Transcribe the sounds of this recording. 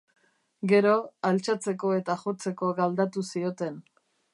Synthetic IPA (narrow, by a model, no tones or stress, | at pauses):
ɡe̞ɾo̞alt͡ʃat͡se̞ko̞e̞t̪axo̞t͡se̞ko̞ɣald̪at̪usio̞t̪e̞n